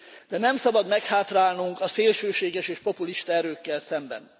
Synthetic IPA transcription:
d̪̥ɛnɛmsɒbɒd̪mɛkhaːt̪raːlnuŋkɒseːlʃøːʃeːɡɛʃeːʃpo̞puliʃt̪ɒɛɾøːkːɛlsɛmbɛ̰n

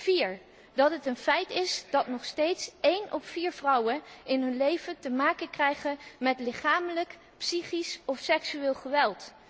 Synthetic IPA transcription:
viːɹ | dɑtɦətənfɛjtɪsd̥ɑtnɔχstejtsejnɔffiːɹv̥rʌwənɪnɦɵnlejvəntəmaːkənkrɛjχənmɛtlɪχaːmələk | psiχisɔfsɛksyɪːlˠχəʋɛlˠt

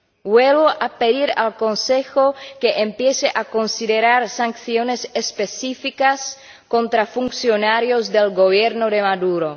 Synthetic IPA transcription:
bwelβoʔapeðiɾa̰lkonsexokeʔempjeseʔakonsiðeɾaɾsaŋkθjonesespesifikas | kont̪ɾafuŋksjonaɾjozd̪elɡoβjeɾnoðemaðuɾo

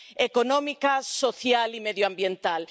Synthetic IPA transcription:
ekonõmikasoθjalimeðjoambjent̪al

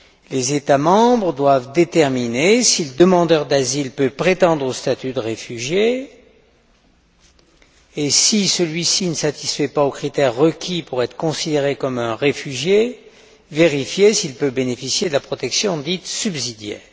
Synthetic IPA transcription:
lezet̪amɑ̃bʁəd̪wavd̪et̪ɛʁminesiləd̪əmɑ̃d̪œʁd̪azilpøpχet̪ɑ̃d̪ʁost̪at̪yd̪əʁefyʒje | sisəlɥisinəsat̪i̥sfɛpaokχit̪ɛʁːəkʲʰipuʁɛt̪χə̥kɔ̃sid̪eʁekɔmɛ̃ʁefyʒje | veʁifjesilpøbenefisjed̪əlapχɔt̪ɛksjɔ̃d̪it̪sybzid̪jɛ̰ːʁ

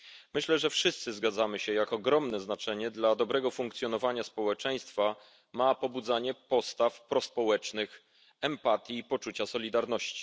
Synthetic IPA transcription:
mɘɕlɛʐɛfʂɘst̪sɘzɡad̪zamɘɕɛjakɔɡɾɔmnɛznat͡ʂɛɲɛd̪lad̪ɔbɾɛɡɔfuŋkt̪sʲjɔnɔvaɲaspɔwɛt͡ʂɛj̃st̪fa | mapɔbud̪zaɲɛpɔst̪afpɾɔspɔwɛt͡ʂnɘx | ɛmpat̪ʲjiːpɔt͡ʂut͡ɕasɔlʲid̪aɾnɔɕt͡ɕi̥

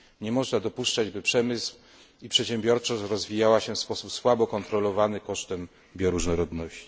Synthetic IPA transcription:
ɲɛmɔʐnad̪ɔpuʂt͡ʂad͡ʑbɘpʂɛmɘsw | ipʂɛt̪ɕɛmbʲjɔɾt͡ʂɔɕɾɔzvʲijawaɕɛfspɔsupswabɔkɔnt̪ɾɔlɔvanɘkɔʂt̪ɛm | bʲjɔɾuʐnɔɾɔd̪nɔɕt͡ɕi

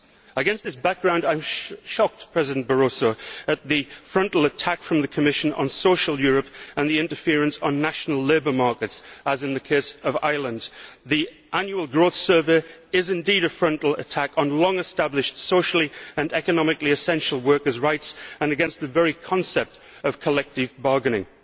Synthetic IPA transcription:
əɡɛ̃nst̪̚ðɪsb̥ak̚ɡ̥ɹãʊ̃ndãɪ̃mʃɑk̚tpʰɹ̥ɛzɨdn̩b̥ə˞oʊsoʊɨt̪̚ðifɹʌ̃ntˡl̩ˠətʰakfɹʌ̃mðɨkʰəmɪʃɨ̃nə̰̃n̩soʊʃl̩ˠjʊɹəpə̃nðiɪ̃ntə˞fɪɹɨ̃nsn̩ːaʃn̩l̩ˠleɪbə˞mɑɹkɨtsəzɨ̃nðɨkʰeɪsʌva̰ɪlˠə̃nði | ʔãnjuəlˠɡɹoʊθsɜ˞vəɪzɨ̃ndiɾɨfɹʌ̃ntˡl̩ˠə̰tʰakn̩lɔ̃ŋɨstablɪʃtsoʊʃl̩ˠiə̃nɛkənɒmɨɪkliɨsɛ̃nʃl̩ˠwɜ˞kə˞zɹaɪtsə̃nɨɡɛ̃nst̪̚ðəvɛɹikʰɒ̃nsɛp̚t | ʌv̥kʰəlɛk̚tɪvbɑɹɡɨ̃nɪ̃ŋ

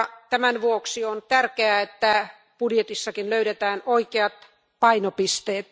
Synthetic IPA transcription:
t̪æmænʋuoksiont̪ærkeæet̪ːæ | pudjet̪isːɑkinløyɾet̪æːnoikeɑt̪ | pɑinopist̪eːt̪

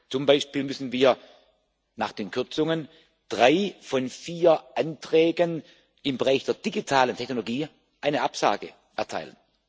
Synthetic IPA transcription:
t͡sʊmbaɪʃpiːlmʏsn̩viːɐ | na̰ːχd̥eːnkʰʏɐt͡sʊŋən | d̥ʁaɪfɔnfiːɐʔantʁ̥ɛːɡən | ɪmbəʁaɪçd̥eːɐd̥iɡitʰaːləntʰɛçnoloɡiː | ʔaɪnəʔapz̥a̰ːɡə | ʔɛɐtʰa̰ɪlən

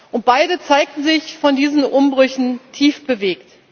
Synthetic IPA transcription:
ʔʊnt̚b̥aɪdət͡saɪk̚tn̩zɪçfɔndiːzn̩ʔʊmbʁʏçn̩tʰiːfb̥əveːkt

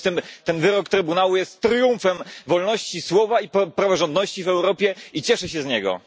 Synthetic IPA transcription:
t̪ɘmt̪ɛnvɘɾɔkt̪ɾɘbunawujɛst̪ːɾjuɱfɛmvɔlnɔɕt͡ɕiswɔvaippɾavɔʐɔnd̪nɔɕt͡ɕivɛwɾɔpʲjɛit͡ɕɛʂɛɕɛzɲɛɡɔ̰

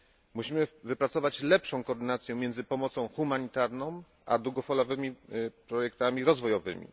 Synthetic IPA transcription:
muɕimɘvɘpɾat̪sɔvat͡ɕlɛpʂɔ̃w̃kɔːɾd̪ɘnat̪sʲjɛmʲjɛnd̪zɘpɔmɔt̪sɔ̃w̃xumaɲit̪aɾnɔ̃w̃ | ʔa̰d̪wuɡɔfɔlɔvɘmʲipɾɔjɛkt̪amʲiɾɔzvɔjɔvɘ̰mʲḭ

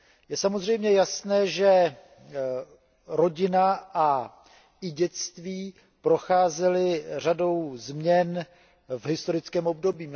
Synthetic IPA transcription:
jɛsamo̞zr̝ɛjmɲɛjasnɛːʒɛ | ɾo̞ɟɪnaʔa | ɪɟɛt͡st̪viː | pɾo̞xaːzɛlɪr̝ado̞wzmɲɛn | vɦɪst̪o̞ɾɪt͡skɛːmo̞b̚do̞biː

